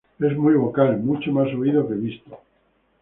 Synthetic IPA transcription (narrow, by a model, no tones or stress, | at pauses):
e̞zmujβo̞kalmut͡ʃomas̬oiðokeβist̪o